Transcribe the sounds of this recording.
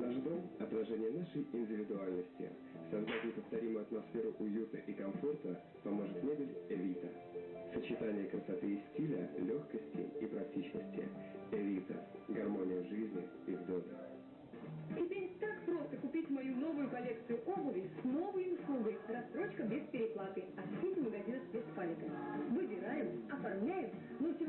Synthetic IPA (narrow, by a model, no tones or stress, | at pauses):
naʐd̪o̞mɐt̪ɾɐʐɛnʲɪjənaʂəjɪnʲdʲɪvʲɪd̪ʊalʲnəsʲtʲɪ̰ | sɐzd̪atʲnʲɪpəft̪ɐɾʲimʊjʊɐt̪mɐsfʲeɾʊʔʊjut̪əʔikɐmfo̞rt̪ə | pɐmo̞ʐɨt̪mʲedʲɪlʲɛvʲit̪ə̰ | sət͡ɕɪt̪anʲɪjəkɾəsɐt̪ɨɪsʲtʲilʲə̰lʲoxkəsʲtʲɪ̰ḭpɾɐk̚tʲit͡ɕnə̰sʲtʲɪ̰ɛvʲit̪ə̰ | ɡɐrmo̞nʲɪjəʐɨzʲnʲɪ | ivd̪od̪ə̰ | tʲɪpʲeɾʲt̪akpɾo̞st̪əkʊpʲitʲmɐjuno̞vʊjʊkɐlʲekt̪sɨjʊʔobʊvʲɪjsno̞vɨjʊslˠuɡəjrɐst̪ɾo̞t͡ɕkəbʲɪspʲɪɾʲɪplˠat̪ɨjɐsʲilʲməɡɐzʲinəfbʲɪspalʲɪt̪əvɨbʲɪɾajɪmɐfɐrmlʲæjɪm | notʲ